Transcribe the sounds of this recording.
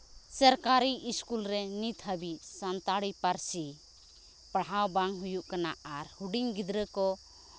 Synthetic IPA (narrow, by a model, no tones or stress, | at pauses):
səɾkaɾiʔːskulɾɛnit̪ʰɦəbiʔsant̪aɽipaɾsi | paɽɦawbaŋɦujuʔkana̰aɾhuɖiŋɡid̪ɾəkɔ